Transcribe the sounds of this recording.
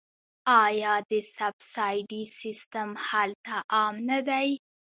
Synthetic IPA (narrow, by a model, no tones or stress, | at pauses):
ɑjɑd̪əsabsɑjɖisist̪amhalt̪aʔɑmnad̪aj